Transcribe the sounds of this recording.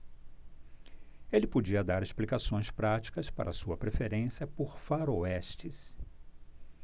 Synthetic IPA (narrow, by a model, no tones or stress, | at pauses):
elɪpod͡ʒiɐd̪aɾesplikasõj̃spɾat͡ʃi̥kɐspa̰ɾʔɐ̰suɐpɾefeɾẽsiɐpoɾfaɾoɛst͡ʃis